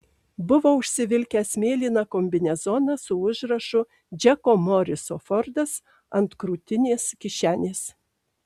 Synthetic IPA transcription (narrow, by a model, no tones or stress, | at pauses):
bʊʋoːʊʃʲsʲɪʋʲɪlʲkʲæːsmʲeːlʲiːnɑkomʲbʲɪnʲɛzɔnɐsʊʊʒɾɐʃʊ | d͡ʒʲɛkoːmɔɾʲɪsoːfɔɾd̪ɐs | ɐnt̪kɾuːt̪ʲɪnʲeːskʲɪʃʲæːnʲeːs